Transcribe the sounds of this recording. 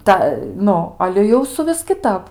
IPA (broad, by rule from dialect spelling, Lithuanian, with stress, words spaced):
ˈtɐ ˈnʊ ˈɑːlʲɛ jɛʊ sʊˈʋʲɪs kʲɪˈtɐp